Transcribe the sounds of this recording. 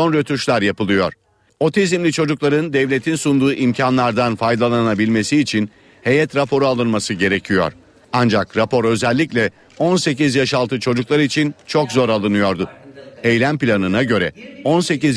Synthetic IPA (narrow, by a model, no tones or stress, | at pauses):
onɾat̪ʰuʃlʲˠaɾjapɯlˠɯjo̞ɾ̥ | o̞t̪ʰezimlʲit͡ʃʰo̞d͡ʒuklˠaɾɯnd̪ɛvlʲe̞t̪ʰinsund̪uːʔimcʰanlˠaɾd̪anfajd̪alˠanabilʲme̞siːt͡ʃʰin | he̞jɛt̪ɾapʰo̞ɾualˠɯnmasɯɟe̞ɾe̞cʰijo̞̰ɾ̥ | and͡ʒakɾapo̞ɾø̞zɛlʲːicʲlʲɛ | o̞nse̞cizjaʃalˠt̪ɯt͡ʃʰo̞d͡ʒuklˠaɾɯit͡ʃʰint͡ʃʰo̞kzo̞ɾalˠɯnɯjo̞ɾd̪ʊejlʲænpilʲanɯnaɟø̞ɾɛ̰o̞nse̞ciz